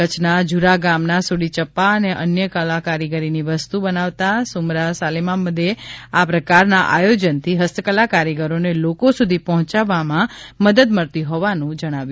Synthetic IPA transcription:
ət͡ʃʰnad͡ʒuɾaɡamnasuɽit͡ʃəpːaəneʔənjəkəlakaɾiɡəɾiniʋəst̪ubənaʋt̪asumɾasalemaməd̪ʱjeapɾəkaɾnaʔa̰jod͡ʒənt̪ʰiɦəst̪əkəlakaɾjəɡəɾonelokosud̪ʱipɔɦɔ̃t͡ʃaʋamãməd̪əd̪məɾt̪iɦɔʋanũd͡ʒəɽ̃aʋju

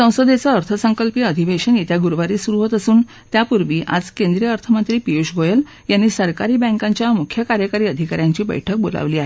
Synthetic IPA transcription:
sə̃w̃səd̪et͡səːɾt̪ʰəsəŋkəlpiːəd̪ʱiʋeɕənit̪jaɡuɾʋaɾiːsuɾuɦət̪əsuːn | t̪japuɾʋiːʔa̰d͡zkẽnd̪ɾijəəɾt̪ʰəmənt̪ɾiːpiuɕɡojəl | janːiːsəɾkaɾiːbɛ̃ŋkãɲt͡ɕjamukʰjəkaɾjəkaɾiːəd̪ʱikaɾjãɲt͡ɕiːbə̰jʈʰək̚bo̰la̰ʋliːaɦee

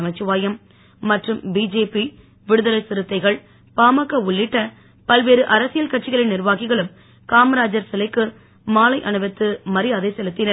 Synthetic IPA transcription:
ɐmɐɪt͡ʃːɯʋaːjɐmː | ɐʈrɯmbiːd͡ʒeːpi | ʋɪɽɯðɐlɐɪsɪɾɯt̪ːɐɪɣɐɭ | paːmɐkːɐʊɭːɪʈːɐ | pɐlʋeːɾɯʔɐɾɐsɪjɐlkɐʈ̚t͡ʃːɪɣɐɭɪnɪɾʋaːɣɪɣɐɭɯm | kaːmɐɾaːd͡ʒɐɾsɪlɐɪkːɯ | maːlɐɪʔɐɳɯʋɛt̪ːɯmɐɾɪjaːðɐɪsɛlɯt̪ːɪnɐɾ

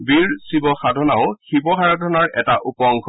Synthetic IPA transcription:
biɹsibɔxadʱɔnaʊxibɔɦaɹadʱɔnaɹʔɛ̰taʔupɔŋkʰɔ

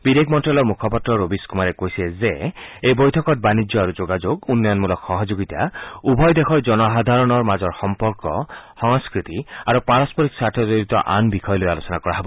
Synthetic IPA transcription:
b̥id̪ekʰmɔntɹalɔɹmukʰɔpɔtɹɔɹobiskumaɹɛkojsiezeejbojtʰɔkɔt̚banid͡ʒjɔaɹuzoɡad͡ʒoɡunːɔjɔnmulɔkxɔɦɔd͡ʒoɡit̪a̰ubʱɔjd̪exʰɔɹzɔnɔɦad̪ʱaɹɔnɔɹmazɔɹxɔmpɔɹkɔxɔŋskɹit̪iaɹupaɹɔspɔɾiksaɹtʰɔzoɾit̪ɔ̰ʔanbikʰɔjɔlojalosɔnakɔɹaɦebɔ

